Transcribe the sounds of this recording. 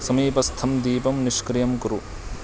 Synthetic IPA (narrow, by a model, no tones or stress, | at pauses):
sɐmiːpɐst̪ʰɐmd̪iːpɐmniʂkɾijɐmkuɾu